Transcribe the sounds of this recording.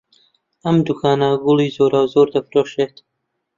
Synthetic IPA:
ʔɐmd̪ukʰaːnɐɡʊlˠiːzoːɾaːwzoɾd̪ɐfɾoːʃeːt̪

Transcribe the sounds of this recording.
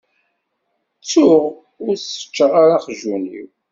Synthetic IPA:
t͡sːʊʁ | ʊɾθə̥t͡ʃːəʁaɾaχʒunḭw

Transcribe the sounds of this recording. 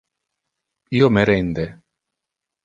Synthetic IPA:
iːomeɾɛnd̪e

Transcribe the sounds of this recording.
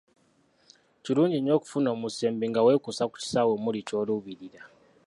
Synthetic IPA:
ciɾuːɲɟiɲo̞ːku̥funo̞ːmuseːmbiŋɡawe̞ːkusaku̥ci̥sawemulico̞luβiɾiɾa

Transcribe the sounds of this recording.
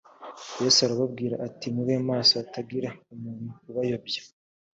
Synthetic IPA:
jesaɾaβabɡiːɾa̰ʔatimuβe̞ːmaːsoataɡiɾaumuːnuuβajo̞bjḁ

